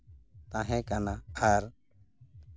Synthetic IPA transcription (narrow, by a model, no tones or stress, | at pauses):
t̪ãɦɛ̃ːkanaaɾ